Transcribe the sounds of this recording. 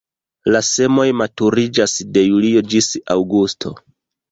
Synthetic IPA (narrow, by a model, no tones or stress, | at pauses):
lase̞mo̞jmatuɾid͡ʒasde̞julio̞d͡ʒisawɡustʰo̞̰